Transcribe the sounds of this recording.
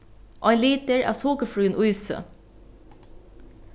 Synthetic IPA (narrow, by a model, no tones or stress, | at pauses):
ʔɑɪnliːt̪əɹʔæ̰ːsoːkəfɹʉːənʔʊʏsə̰